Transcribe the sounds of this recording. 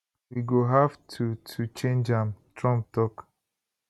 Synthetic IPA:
wiɡoɦavtʰutʰut͡ʃẽnd͡ʒãmtʰɹɔ̃mp̚tɔk

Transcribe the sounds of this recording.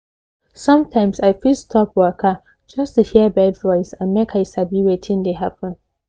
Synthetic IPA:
sʌ̃mtʰãɪ̃msaɪfistʰɔpwɜkʰə | d͡ʒʌstuhiəbɛdvɔɪsãnmekʰaɪsabiwetʰɪ̃ŋdeɦapʰə̃n

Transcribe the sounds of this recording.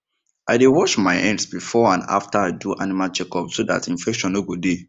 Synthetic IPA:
ʔadewɔʃmaɪʔɛ̃nsbifɔãna̰ftaaduʔa̰nimalt͡ʃɛkɔpsoda̰tĩɱfɛkʃɔ̃noɡode

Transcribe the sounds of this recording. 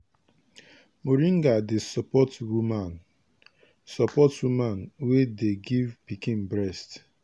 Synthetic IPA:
muɾiŋ̩ɡadesɔpɔtwuman | sɔpɔtwumanwedeɡivpikĩnbɾɛst

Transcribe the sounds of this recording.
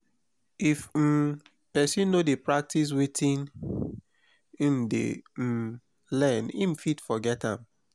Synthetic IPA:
if̩ | pɛsĩnːodepɹak̚tis̬wetĩn | im̩dḛ | lɛ̃nḭm̩fitfɔɡɛtã̰m

